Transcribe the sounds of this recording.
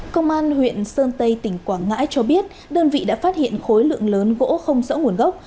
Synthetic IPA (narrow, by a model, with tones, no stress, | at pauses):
kə˧wŋ͡mʔaː˧nhwḭ˧˨ənsəː˧nt̪ə˧jt̪ï˧˩ŋ̟kwaː˧˩ŋa̰ː˧˥jt͡ɕɔ˧ɓi˦˥ət̚ | ɗəː˧nvḭ˧˨ɗa̰ː˧˥faː˦˥t̚hḭ˧˨ənxo˨˦jlɨ̰˧˨əŋləː˨˦nɣo̰˧˥xə˧wŋ͡mzə̰ː˧˥wŋ˧˩ənɣə˦˥wk͡p̚